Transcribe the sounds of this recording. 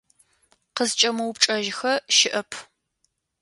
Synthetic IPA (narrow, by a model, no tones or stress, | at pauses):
qəzt͡ʃʼɐmɐwpʈ͡ʂʼɐʒxɐʃɪʔɐpʰ